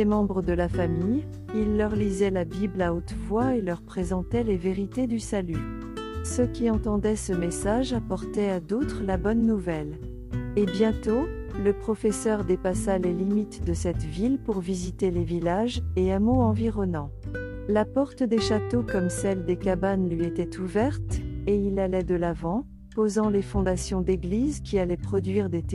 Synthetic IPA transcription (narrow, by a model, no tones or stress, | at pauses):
ɛmɑ̃bʁəd̪əlafamij | ilːœʁlizɛlabiblaot̪vwaelœʁpχezɑ̃t̪ɛleveʁit̪ed̪ysaly | səkʲiɑ̃t̪ɑ̃d̪ɛsəmesaʒapɔʁt̪ɛad̪ot̪χəlabɔnːuvɛl | ebjɛ̃t̪oləpχɔfɛsœʁd̪epasalelimit̪d̪əsɛt̪vilpuʁvizit̪elevilaʒeamoɑ̃viʁɔnɑ̃ | lapɔʁt̪d̪eʃat̪okɔmsɛld̪ekabanlɥiet̪ɛt̪ʰuvɛʁt̪eilalɛd̪əlavɑ̃ | pozɑ̃lefɔ̃d̪asjɔ̃d̪eɡlizkʲʰialɛpχɔd̪ɥiʁd̪et̪